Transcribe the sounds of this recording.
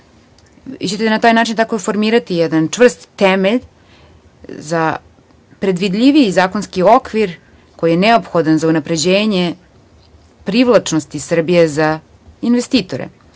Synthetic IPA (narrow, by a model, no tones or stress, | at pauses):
ḭt͡ɕet̪enat̪aːjnaːt͡ʃint̪akofo̞ɾmiːɾat̪ijɛd̪ant͡ʂʋr̩st̪ːemeʎ | za | pɾe̞d̪ʋid̪ʎʲiʋiizaːkonskio̞kʋiɾ | ko̞jijeneopxo̞d̪anzaunapɾe̞d͡ʑeːɲe | pɾiʋlat͡ʂnost̪isr̩bije̞za | inʋest̪iːt̪oɾḛ